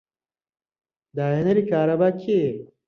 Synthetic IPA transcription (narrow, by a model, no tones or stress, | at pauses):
d̪aːenɐɾikaːɾɐbakʰe